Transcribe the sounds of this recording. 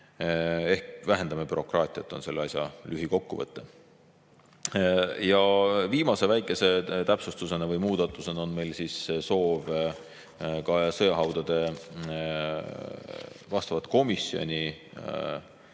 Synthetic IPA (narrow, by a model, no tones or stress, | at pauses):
e̞hkvæɦe̞nd̪ɑmepyɾo̞krɑːt̪ˑiɑt̪ːˑo̞nse̞lːeɑsʲjɑlyɦiko̞kːuvɤ̰t̪ːˑe | jɑviːmɑse̞væjkːˑe̞se̞t̪æpsust̪use̞nevɤjmuːd̪̥ɑt̪ːˑuse̞neo̞nme̞jlsiːsso̞ːv | kɑsɤjɑɦɑwd̪̥ɑd̪̥e̞ | vɑst̪ɑvɑt̪ˑko̞misːio̰nʲi